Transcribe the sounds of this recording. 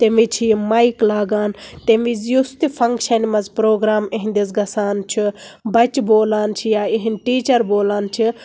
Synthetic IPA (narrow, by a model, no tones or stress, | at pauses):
t̪emit͡ʃʰijmaːjklaːɡaːnt̪emizjust̪ipʰɐŋkʃɐnmɐzpɾoːɡɾaːmeɦĩnd̪isɡɐsaːnt͡ʃʰibɐt͡ʃboːlaːnt͡ʃʰijaːiɦinʈiːt͡ʃɐɾboːlaːnt͡ʃʰi